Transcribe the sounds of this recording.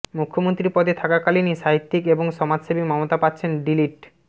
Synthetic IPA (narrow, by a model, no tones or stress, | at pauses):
mukʰːomont̪ɾiɾpɔd̪et̪ʰakakaliniʃaɦit̪ːikeboŋʃɔmad͡ʑʃebimɔmot̪apat̪ːɕʰenɖiliʈ